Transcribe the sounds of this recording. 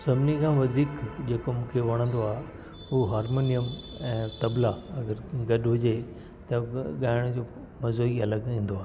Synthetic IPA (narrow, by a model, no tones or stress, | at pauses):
sɐbʱɪnikʰãːʋɐd̪ʱiːkd͡ʑeːkomũːkʰeʋɐɽ̃ə̃nd̪oaːɦ | huɦaːɾmoːnijəmɛ̃ːt̪ɐblaɐɡəɾɡɐɗɦʊd͡ʑe | t̪ɐɠaːɪɽ̃d͡ʑoː | mɐzoːiɐləɡĩːn̆d̪oaːɦ